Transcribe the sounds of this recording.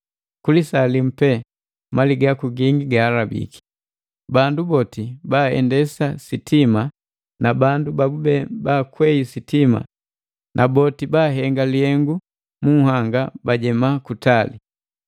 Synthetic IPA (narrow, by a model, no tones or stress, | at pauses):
kulisalim̩pɛ | maliɡakuɡiŋɡiɡaːlabḭki̥ | bandubɔtibaːɛ̰ndɛsasitima | nabandubabubɛbaːkwɛisitima̰ | nʔabɔtibaːɦɛŋɡalihɛŋɡu | muhaŋɡabaɟɛmakutali